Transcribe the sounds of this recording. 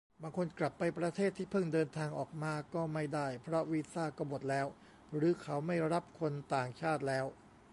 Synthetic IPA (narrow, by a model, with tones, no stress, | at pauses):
baː˧ŋkʰo˧nkla˨˩pːa˧jpɾa˧t̪ʰeː˥˩t̪ʰːiː˥˩pʰɤ˥˩ŋdɤː˧nt̪ʰaː˧ŋʔɔː˨˩k̚maː˧kɔː˥˩ma˥˩jdaː˥˩jpʰɾɔ˦˥wiː˦˥saː˥˩kɔː˥˩mo˨˩t̪̚lɛː˦˥w | ɾɯː˨˦kʰa˦˥wma˥˩jɾa˦˥p̚kʰo˧nt̪aː˨˩ŋt͡ɕʰaː˥˩t̪̚lɛː˦˥w